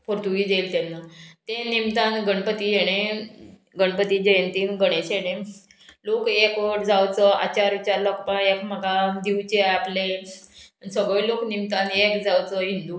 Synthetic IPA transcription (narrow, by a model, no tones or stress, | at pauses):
pʰoɾt̪uɡiːd͡z̪elt̪ɛnːat̪enimt̪anɡəɳpət̪iːjeɽ̃e | ɡəɳpət̪iːd͡ʑəjənt̪iːnɡəɽ̃eɕeɽ̃ẽ | lokekʋəʈd͡zawt͡səa̰t͡ɕaɾʋit͡ɕaɾləkpəekm̤əɡad̪iwt͡ɕeaple | səɡɭẽloknimt̪anekd͡zawt͡səɦind̪u